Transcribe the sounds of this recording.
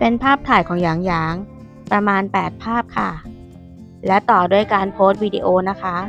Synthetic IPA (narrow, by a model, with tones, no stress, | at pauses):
pe˧npʰaː˥˩p̚t̪ʰaː˨˩jkʰɔː˩˦ŋjaː˩˦ŋjaː˩˦ŋ | pɾa˧maː˧npɛː˨˩t̪̚pʰaː˥˩p̚kʰa˥˩ | lɛ˦˥wt̪ɔː˨˩du˥˩əjkaː˧npʰoː˦˥t̪̚wiː˧diː˧ʔoː˧na˦˥kʰa˦˥